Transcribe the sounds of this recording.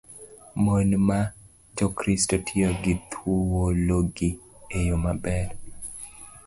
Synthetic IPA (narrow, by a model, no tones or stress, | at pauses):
monma | d͡ʒokɾistotʰɪoɡɪt̪ʰwowoloɡiejomabɛɾ